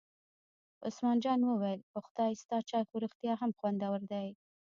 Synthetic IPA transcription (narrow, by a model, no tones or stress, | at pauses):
ʊsmɑnd͡ʒɑnwəwajlpəxʊd̪ɑjst̪ɑt͡ʃɑjxuɾəxt̪jɑɦamxwand̪awəɾd̪aj